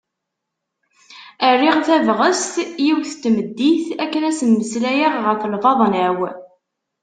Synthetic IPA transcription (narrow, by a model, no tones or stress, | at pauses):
ərːiʁθævʁəst̪jiwθt̪ːməd̪ːiθækːənæsənməslæjaʁʁəfəlvɑðˤnæw